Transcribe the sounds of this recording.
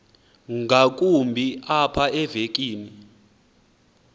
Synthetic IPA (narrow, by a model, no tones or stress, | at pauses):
ŋɡʱak̬ʼumbʱiapʰaɛvek̬ʼiːni